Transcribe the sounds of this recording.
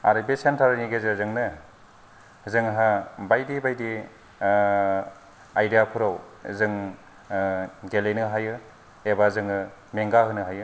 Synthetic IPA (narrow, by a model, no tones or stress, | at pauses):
a̰ɾɯbesentʰaɾaniɡezezɯŋnɯ | zɯŋɦabajdibajdi | ajdijapʰuɾaw | zɯŋ | ɡelejnɯɦajɯ | ebazɯŋɯ | meŋɡaɦɯnɯɦajɯ